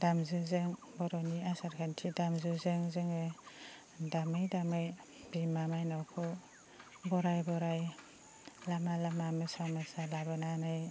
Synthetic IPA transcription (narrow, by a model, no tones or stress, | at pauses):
d̥amzɯzɯŋ | bɔɾɔniasaɾkʰantʰidamzɯzɯŋzɯŋɯ | damɯjdamɯjbimamajnawkʰɔ | bɔɾajbɔɾaj | lamalamamasamasalabananaj